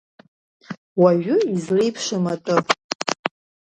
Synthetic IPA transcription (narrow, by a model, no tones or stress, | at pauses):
waʒᶣʊizrijpʰʂɨmatʼɨ